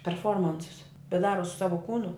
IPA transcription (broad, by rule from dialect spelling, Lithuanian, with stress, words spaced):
pʲɛrˈfoːrmɐnsʊs bʲɛt ˈdɑːroː sʊ ˈsɑːʋoː ˈkuːnʊ